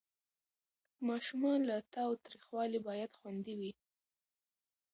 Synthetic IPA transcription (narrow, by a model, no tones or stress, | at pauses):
mɑʃumɑnlat̪ɑwt̪ɾixwɑlibɑjad̪xwand̪iwi